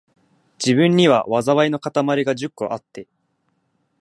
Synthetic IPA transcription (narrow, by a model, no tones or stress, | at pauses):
d͡ʑibɯ̟̃ɲ̟ːiβa̰βazaβaino̞kat̪amaɾʲiɡad͡ʑɨkːo̰ʔat̪ːe̞